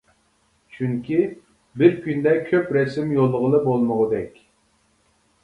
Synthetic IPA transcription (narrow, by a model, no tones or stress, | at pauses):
t͡ʃʰyŋkʲʰi | bɪɾkʲynd̪ɛkʲʰøpɾɛsɪmjolˠːəʁəlˠəbolˠməʁəd̪ɛkʲ